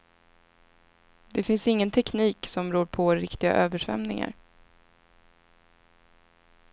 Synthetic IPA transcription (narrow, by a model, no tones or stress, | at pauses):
d̪ɛfɪnsɪŋːənt̪ʰɛkniːksɔmɾuːɾpʰɔɾɪkt̪ɪɡa̰ʔøːvəʂvɛ̰mnɪ̰ŋa̰ɾ